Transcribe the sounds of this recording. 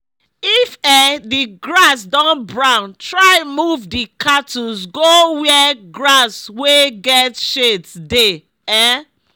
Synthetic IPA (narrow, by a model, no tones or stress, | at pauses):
ifɛdiɡɹasdɔ̃nbɹãʊ̃ntʰɹaɪmuvdikʰatusɡowɛɡɹasweɡɛtʃetde | ɛ